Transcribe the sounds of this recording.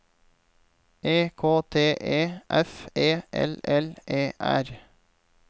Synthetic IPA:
ʔeːkʰoːt̪ʰeːʔeːʔɛfeːʔɛ̰lɛlʔeːʔæ̰ɾ

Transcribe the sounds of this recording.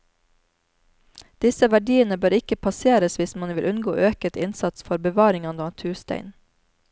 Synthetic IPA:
d̪̥ɪsəʋæɖiːənəbøːɾɪkəpʰɑseːɾəsʋɪsmɑnʋɪlʔʉnɡo̰ːʔøːkət̪ɪnsɑt̪sfɔɾbəʋɑːɾɪŋɑnd̪ɑt̪ʰʉːst̪æ̰ɪn

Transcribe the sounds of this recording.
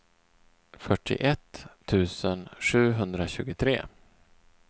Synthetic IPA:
fœʈʰːɪ̰ʔɛt̪ʰː | ʉ̟ːsənʂʉ̟ːɦɵnd̪ɾaɕʉ̟ːɡʊt̪ʰɾeː

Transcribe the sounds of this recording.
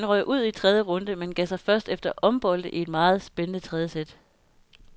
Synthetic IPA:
ænʁœɪ̰ʔuð̰ˠit͡sʰʁɛðˠjəʁɔ̽nd̥əmenɡ̥ɛsɑ̈ɪfɶɐsd̥efd̥ɐʔɒ̽mb̥ɒ̽l̰d̥əʔie̝d̥mɑ̈ːð̞̩ˠsb̥enənət͡sʰʁɛðˠəsed̥

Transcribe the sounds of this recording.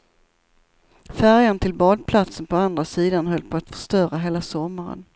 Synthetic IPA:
fæɾjant̪ʰɪlbɑːd̪̚pʰlat̪sənpʰɔand̪ɾasiːd̪anɦœlt̪̚pʰɔat̪fœ̥ʂt̪œːɾaɦeːlasɔmːaɾə̰n

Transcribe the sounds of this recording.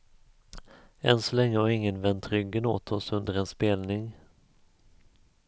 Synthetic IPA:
ɛnsɔlɛŋːəhaɾɪŋːənvɛnt̪ɾʏɡːəno̰ːt̪ʰɔsɵnd̪əɾɛnspeːlnɪŋ

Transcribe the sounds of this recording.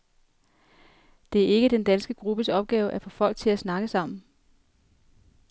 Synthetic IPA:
d̥e̝æɐe̝ɡ̥əd̥end̥ænsɡ̥əɡ̥ʁub̥əsɒ̽b̥̚ɡ̥ɛːʊʔæfɒ̽fɒ̽l̰ɡ̥̚t͡sʰe̝læsnɑ̈ɡ̥əsɑ̈m̰n̩

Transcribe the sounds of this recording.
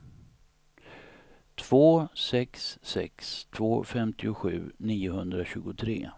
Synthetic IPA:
t̪ʰv̥oːsɛksːɛ̰kst̪ʰvoːfɛmt̪ʰɪʊɧʉ̟̰ːniːʊɦɵnd̪ɾaɕʉ̟ːɡʊt̪ʰɾḛː

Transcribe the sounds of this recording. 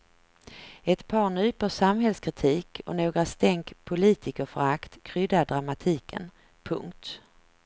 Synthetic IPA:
ɛt̪pʰɑːɳyːpəsamɦɛlskʰɾɪt̪ʰiːkʰɔ̰noːɡɾast̪ɛŋkpʰʊliːt̪ɪkəɾfœ̰ɾakt̪kʰɾʏd̪aɖɾamat̪ʰiːkʰə̰n | pʰɵ̰ŋkt̪

